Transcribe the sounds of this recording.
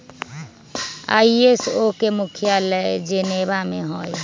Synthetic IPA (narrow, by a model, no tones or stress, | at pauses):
a̰iesokemukʰjalɛd͡ʒenebameɦoj